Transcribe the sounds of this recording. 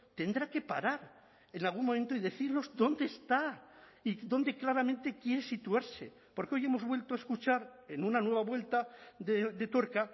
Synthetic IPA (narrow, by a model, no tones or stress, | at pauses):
t̪e̞nd̪ɾake̞pa̰ɾaɾ | e̞nalɣ̞unmomẽ̞nt̪oiðe̞θiɾno̞zd̪o̞nd̪e̞ːst̪aiðo̞nd̪e̞klaɾamẽ̞nt̪e̞kje̞ɾe̞sit̪uaɾse̞̰ | po̞ɾkeo̞je̞mo̞zβwe̞lt̪oaeskut͡ʃaɾe̞nunanwe̞β̞aβwe̞lt̪aðed̪e̞t̪o̞ɾka